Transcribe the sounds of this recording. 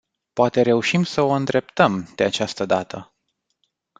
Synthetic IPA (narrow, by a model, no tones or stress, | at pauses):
poat̪e̞ɾe̞uʃimsəo̞ɨnd̪ɾe̞p̚t̪əmd̪̥e̞at͡ʃast̪əd̪at̪ʰə